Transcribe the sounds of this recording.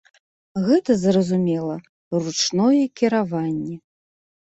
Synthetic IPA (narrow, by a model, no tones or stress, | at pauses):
ɣɛt̪ɐzɾɐzumʲɛlˠɐ | rut͡ʂnɔjɛkʲiɾavanʲːɛ